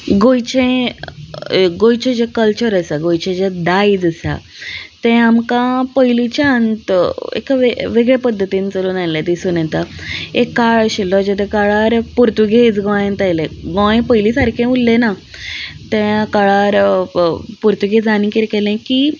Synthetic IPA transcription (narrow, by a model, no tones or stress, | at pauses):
ɡojt͡ɕẽ | ɡojt͡ɕẽd͡ʑekəlt͡ɕəɾəsaɡojt͡ɕẽd͡ʑed̪aid͡zəsa̰ | t̪ɛ̃amkãpəjlit͡ɕaənt̪ḛkaʋeʋeɡɭepəd̪ʱːət̪iːnit͡səluːnajlãd̪isuːnɛ̃t̪aekːaɭɕilːɔd͡ʑat̪ɛ̃kaɭaɾpuɾt̪uɡed͡zɡɔ̃ẽnt̪ajlẽɡɔ̃ẽpəjlisaɾkʰẽulːẽna | t̪ɛ̃kaɭaɾ | puɾt̪uɡed͡zanĩːkiɾkɛlɛ̃ki